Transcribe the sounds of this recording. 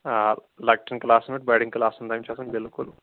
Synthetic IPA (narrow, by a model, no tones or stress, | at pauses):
a | lɐk̚ʈɐnklaːsmeʈ̚bɐjɽiŋklaːsɐnd̪ɐjmt͡ʃɛːsɐmbelkulu